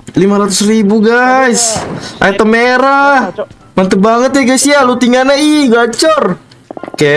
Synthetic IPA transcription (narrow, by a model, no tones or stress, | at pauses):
limaɾat̪u̥sribuɡajsʔa̰ɛt̪əmeɾa | mant̪əbaŋət̪jaɡajsialut̪iŋanaihɡat͡ʃɔr | ke